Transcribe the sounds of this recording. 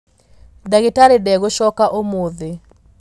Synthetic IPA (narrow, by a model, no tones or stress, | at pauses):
daɡɪtaɾɪdɛɡoʃɔkaʔomoðɪ